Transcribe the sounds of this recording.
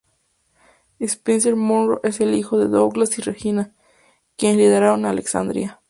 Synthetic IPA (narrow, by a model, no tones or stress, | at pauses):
espinseɾmonro̰ʔeselixoðeðoɣlasirexina | kjenliðeɾaonaːleksa̰nd̪ɾḭa